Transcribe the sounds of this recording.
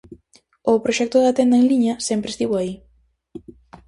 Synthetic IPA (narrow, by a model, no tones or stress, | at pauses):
opɾoʃɛk̚t̪oðat̪end̪aeŋliɲɐsɛmpɾest̪iβoai